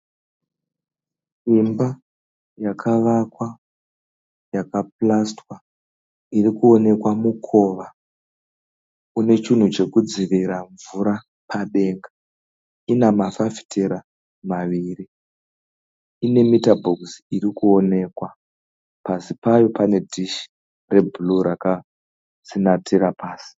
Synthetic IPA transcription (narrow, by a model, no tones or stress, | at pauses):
imba | jakʰaʋakwa | jakap̚lastwa | irikuo̞ne̞kwamukʰo̞ːʋa | une̞t͡ʃin̤ut͡ʃe̞kud͡ziʋiɾaɱvuɾa | paɗe̞ːŋɡa | inamafafi̥tʰeɾa | maʋiːri | ine̞mitabʱoksirikuo̞ne̞kwa | pasipajo̞pane̞dʱiʃi̥ | re̞bʱuluɾaka | sinatʰiɾapaːsi̥